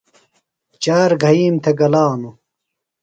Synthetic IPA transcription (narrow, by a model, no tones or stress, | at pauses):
t͡ɕaːɾɡʱɐiːmt̪ʰeɡɐlaːnu